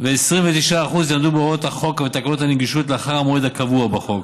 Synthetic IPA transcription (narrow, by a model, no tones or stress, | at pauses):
veːsʁiɱvet̪iʃaːχuzjamd̪ubeoot̪haχo̞kvet̪akalot̪haneɡiʃut̪leaχaʁhamoed̪akavuabaχo̞k̚